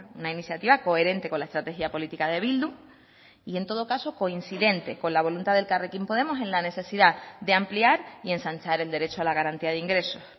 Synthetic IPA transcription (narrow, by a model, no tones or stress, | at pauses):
unainiθjat̪iβako̞e̞ɾe̞nt̪e̞ko̞nlae̞st̪ɾat̪e̞xjiapo̞lit̪ikað̞e̞β̞ild̪u | ie̞nt̪o̞ð̞o̞kaso̞ko̞insiðe̞nt̪e̞ko̞nlaβ̞o̞lunt̪aðe̞lkarekimpo̞ð̞e̞mo̞se̞nlane̞θe̞siðad̪eampliaɾie̞nsaɲt͡ʃaɾe̞ld̪eɾe̞t͡ʃoalaɣaɾant̪iaðiŋɡɾe̞so̞s